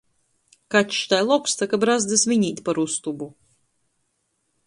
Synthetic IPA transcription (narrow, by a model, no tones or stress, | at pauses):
kat̪ʲʃt̪ajlˠɔkst̪akabɾazd̪ɨsvʲinʲiːt̪ʲpaɾust̪ubu